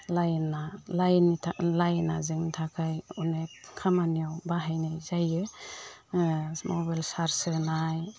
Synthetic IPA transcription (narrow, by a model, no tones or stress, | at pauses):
lajnalajnitʰalajnazɯŋnitʰakʰajunetkʰamanijawbaɦajnajzajɯ | mɔbajlsaɾsɯnaj